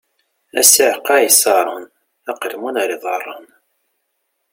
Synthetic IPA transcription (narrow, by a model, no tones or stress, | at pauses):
æ̰səʕqɑjsɑɾˤən | æqəlmunɾˤiðˤɑrˤːɑn